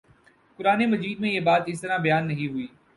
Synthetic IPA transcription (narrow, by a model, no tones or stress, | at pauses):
kʊɾaːnemɐziːd̪̚mẽjebaːt̪ɪs̬t̪əɾãbɐjaːnːɐɦĩɦʊiː